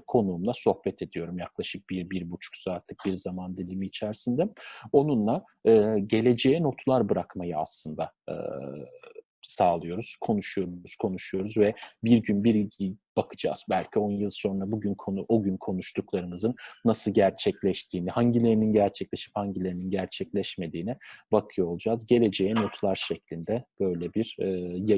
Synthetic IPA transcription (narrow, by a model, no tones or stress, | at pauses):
kʰo̞nuːmlˠaso̞hbɛt̪ʰe̞d̪ijo̞ɾumjaklˠaʃɯk̚b̥iɾbiɾbut͡ʃʰu̥ksaɾt̪ʰɯk̚biɾzamand̪ilʲimiːt͡ʃʰæɾsind̪ɛo̞nunlˠa | ɯːɟe̞lʲe̞d͡ʒejɛno̞t̪ʰlˠaɾbɯɾakmajɯa̰slˠɯnd̪a̰ɯ̰ | saːlˠɯjo̞ɾuz̥kʰo̞nuʃujo̞ɾuuz̥kʰo̞nuʃujo̞ɾuzvɛbiɾɟynbiɾɟib̥akʰɯ̥d͡ʒa̰ːz̥bælʲcʰio̞njɯlˠso̞nɾabuɟynkʰooɟynkʰo̞nuʃt̪ʰuklˠaɾɯmɯzɯnːasɯlˠɟæɾt͡ʃʰɛclʲɛʃt̪ʰiːnihaɲɟilʲe̞ɾininɟæɾt͡ʃʰɛclʲe̞ʃi̥phaɲɟilʲe̞ɾininɟæɾt͡ʃʰɛclʲɛʃme̞d̪iːnɛbakʰɯjoolˠud͡ʒaːzɟe̞lʲe̞d͡ʒejɛno̞t̪ʰlˠaɾʃɛclʲind̪ɛb̥ø̞jlʲɛbiɾːj